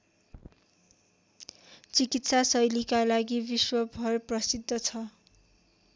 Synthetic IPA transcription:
t͡sikit̪sasʌjlikalaɡibiswʌbʱʌrprʌsid̪ʱːʌt͡sʰʌ

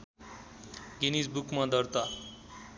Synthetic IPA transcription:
ɡinisbukmad̪ʌɾt̪a

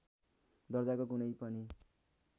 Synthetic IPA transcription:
d̪ʌrd͡zakoɡunʌjpʌni

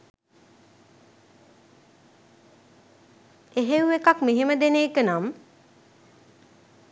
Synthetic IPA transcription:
eɦeuekakmeɦeməd̪eneːkənam

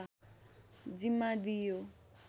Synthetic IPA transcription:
d͡ʒimadijo

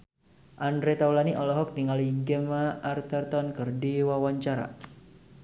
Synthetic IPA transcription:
ʔandɾet̪aulaniʔɔlɔɦɔk̚niŋaliɡəmaːrt̪ərt̪ɔnkərdiwawaɲt͡ʃaɾa̰

